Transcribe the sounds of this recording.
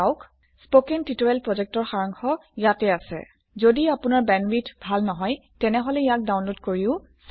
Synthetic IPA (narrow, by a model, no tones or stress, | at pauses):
wk | spokɛntitoɛlpɹɔzɛk̚tɔɹxaɹɔŋxɔijatɛasɛ̰ | zodiapʊnaɹbɛnbitbʱalnɔɦɔjtɛnɛɦɔlɛijak̚dawnlodkoɹiʊ | s